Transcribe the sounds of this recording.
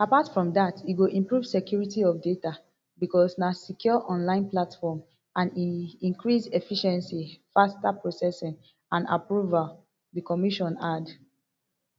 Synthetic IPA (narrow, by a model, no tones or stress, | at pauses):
apatfɹɔ̃mdatiɡoʔĩmpɹuv̥sekjuɹitiɔfdeta | bikɔsnasikjɔʔɔ̃nlãɪ̃nplatfɔm | ãniĩŋkɹisefiʃɛ̃nsifastapɹosɛsĩn | ãna̰pɹuval | dikɔmiʃɔ̃nad